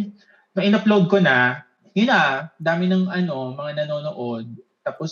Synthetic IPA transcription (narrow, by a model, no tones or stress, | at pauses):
mɐʔɪnɐplod̪̚konɐ | jʊnad̪aːmɪnɐŋʔɐno̞mɐŋanɐno̞ːnoʔo̞d̪̚k̪aːpos